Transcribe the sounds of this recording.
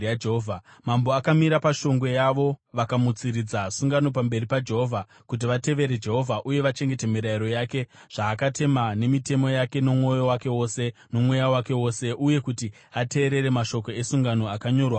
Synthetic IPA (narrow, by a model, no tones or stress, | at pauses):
jad͡ʒeɦovʱamambo̞akamiɾapaʃo̞ŋɡwe̞jaʋo̞ʋakamut͡siɾid͡zasuŋɡano̞pambe̞ɾipad͡ʒe̞ɦo̞vʱa | kut̬iʋate̞ʋe̞ɾe̞d͡ʒe̞ɦo̞vʱaʔuje̞ʋat͡ʃe̞ŋɡe̞temiɾaiɾo̞jaːke̞ | ʐ̥aːkate̞mane̞mite̞mo̞jake̞no̞mŋo̞jo̞wake̞wo̞se̞no̞mwe̞jawake̞wo̞ːse̞ʔuje̞kuti | ate̞ːɾe̞ɾe̞maʃo̞ko̞e̞suŋɡano̞akaɲo̞ːrwa